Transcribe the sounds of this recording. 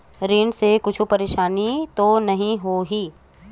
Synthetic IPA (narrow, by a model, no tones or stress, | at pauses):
ɾiːɳɖsekʊt͡ʃʰupɐɾeːʃaːnit̪onɐɦĩɦoɦiː